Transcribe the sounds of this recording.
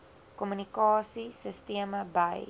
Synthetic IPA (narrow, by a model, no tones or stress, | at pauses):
kɔmynikɑːsisəsteəməbɐj